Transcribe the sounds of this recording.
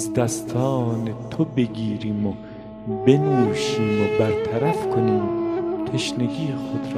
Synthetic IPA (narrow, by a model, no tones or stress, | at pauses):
zd̪æst̪ʰɒːnet̪ʰobeɡiːɾiːmo | be̞nuːʃiːmobæɾt̪ʰæɾæfkʰoniːmt̪ʰeʃneɡiːjxod̪ɾː